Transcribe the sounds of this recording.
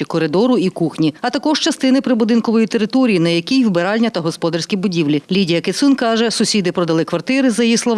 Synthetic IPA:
ikɔɾɪd̪ɔɾʊikuxnʲiɐt̪ɐkɔʒt͡ʃɐst̪ɪnɪpɾɪbʊd̪ɪnkɔʋɔjit̪eɾɪt̪ɔɾʲijinɐjɐkʲijwbeɾɑlʲnʲɐt̪ɐɦɔspɔd̪ɐrsʲkʲibʊdʲiwlʲilʲidʲijɐket̪sunkɑʒɛsʊsʲid̪ɪpɾɔd̪ɐlˠɪkʋɐrt̪ɪɾɪzɐjislˠɔʋ

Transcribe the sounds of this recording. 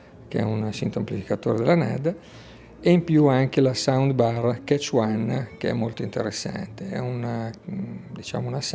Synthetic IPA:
keɛ̰unsint̪oamplifikat̪oːɾed̪elanɛ̰d̪ | eimpjuaŋk̟elasawnd̪barket͡ʃwankeɛ̰mːolt̪oint̪eɾesːa̰nt̪eɛ̰un | d̪it͡ʃa̰ːmounas

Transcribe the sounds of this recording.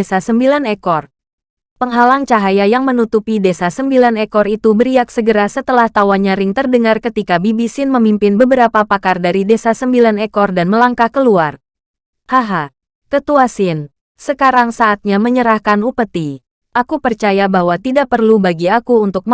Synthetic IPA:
esasəmbilanɛkɔr | pəŋɦalaŋt͡ʃaɦajajaŋmənut̪upidesasəmbilanekɔrit̪ubəɾiaksəɡəɾasət̪əlaht̪awaɲaɾɪŋt̪ərdəŋarkət̪ikabibisɪnməmimpɪnbəbəɾapapakardaɾidesasəmbilanɛkɔrdanməlaŋkahkəluar | haɦa | kət̪uasɪn | səkaɾaŋsaʔːt̪̚ɲaməɲəɾahkanupət̪i | ʔakupərt͡ʃajabaɦwat̪idaʔpərlubaɡiakuːnt̪ʊk̚m

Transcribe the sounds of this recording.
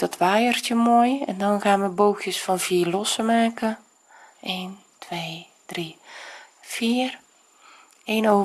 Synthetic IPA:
d̥ɔtʰʋaːjərtjəmojɛ̰ndɔnxaːnʋəboːxjəsfɔnviːrlɔsəmaːkə | eːn | tʰʋeː | d̥ri | fiːər | eːno

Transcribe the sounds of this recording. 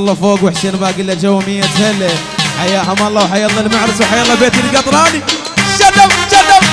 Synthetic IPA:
lˤːɑfoːɡwɪħsiːnbaːɡɪlːad͡ʒawːamɪjːat̪zal | ħajaːɦamɑlˤːɑwħajɑlˤːɑlmaʕɾɪswħajːɑlˤːɑbeːt̪ɪlɡɑt̪ˤɾˤɑːni | ʃad̪amʃad̪am

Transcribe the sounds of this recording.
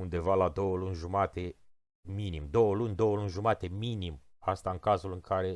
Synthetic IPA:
und̪e̞valad̪o̞wəlunʲʒumat̪e̞ | minimd̪o̞wəlunʲd̪o̞wəlunʲʒumat̪e̞minim | ast̪aɨŋkazulɨŋkʰaɾe̞

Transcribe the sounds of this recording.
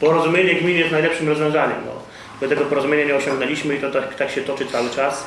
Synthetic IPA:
pɔɾɔzumʲjeɲɛɡmʲinjɛst̪najlɛpʂɘmɾɔzvʲjɔ̃w̃zaɲɛ̰mnɔ̰ | bɛt̪ɛɡɔpɔɾɔzumʲeɲaɲɛɔɕɔ̃ŋɡnɛlʲiɕmɘit̪ɔt̪akt̪akɕɛt̪ɔt͡ʂɘt̪sawɘt͡ʂas

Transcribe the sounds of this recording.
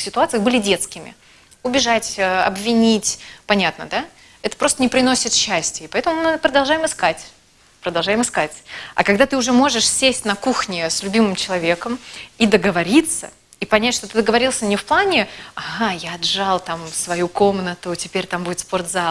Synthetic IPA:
sʲɪt̪ʊat̪sɨəxbɨlʲɪdʲe̞t̪skʲɪmʲɪ̰ | ʊbʲɪʐatʲəɐ̰bvʲɪnʲitʲpɐnʲat̪nəd̪a | ɛt̪ə̥pɾo̞st̪ənʲɪpɾʲɪnosʲɪt̪ɕːæsʲtʲɪəpɐɛt̪əmʊmɨpɾəd̪ɐlˠʐajɪmɨskatʲ | pɾəd̪ɐlˠʐajɪmɨskatʲɐ̰kɐɡd̪at̪ɨʊʐɛmo̞ʐɨʂsʲesʲtʲnɐkuxnʲɪslʲʉbʲimɨmt͡ɕɪlˠɐvʲe̞kəmid̪əɡəvɐɾʲit̪sə̰ | ipɐnʲætʲʂt̪ot̪ɨd̪əɡəvɐɾʲilˠsʲənʲɪfplˠanʲɪɐɣajaɐd̪ʐalˠt̪amsvɐjuko̞mnət̪ʊtʲɪpʲeɾʲt̪ambudʲɪt̪spo̞rt̪za

